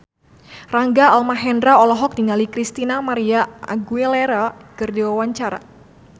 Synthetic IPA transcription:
raŋɡaalmaɦɛndɾaɔlɔɦɔk̚diŋalikɾist̪inamaɾiaa̰ɡuɛlɛɾakɨrdiwawaɲt͡ʃaɾa̰

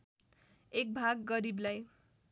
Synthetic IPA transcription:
ek̚bʱaɡːʌɾiblaj

